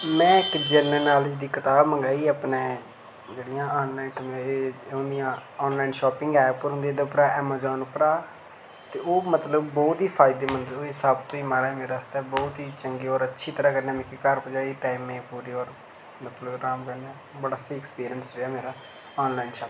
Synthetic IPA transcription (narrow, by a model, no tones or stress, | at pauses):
mɛ̃ːɪkd͡ʒənəːnaːlid̪iːkət̪aːbməŋɡaːiːəpneː | d͡ʒeːɽijãːɔːnlaːɪnt̪ʰəmeʊnd̪ijãːɔːnlaːɪnʃɔːpɪŋɡaːapʊɾʊ̃nd̪eːd̪əʊpɾaːʔɛːmaːzɔːnʊpɾaː | t̪eːoːmət̪ləbːɔːt̪ɦiːpʰaːɪd̪eːmənd̪oeːsaːbt̪õːiːmaɾaːɛːmeːɾaːst̪ɛːbɔːt̪ɦiːt͡ʃəŋɡeːɔːɾətːʃʰiːt̪əɾaːkəɾnaːmɛ̃ːkikəɾpəd͡ʒaːiːpɛːmẽːpuːɾiːɔːɾ | mət̪ləbɾaːmpɛːnɛː | bəɽaːsiɪkspiːɾijənsɾeɛːmeːɾaː | ɔːnlaːɪnʃaːp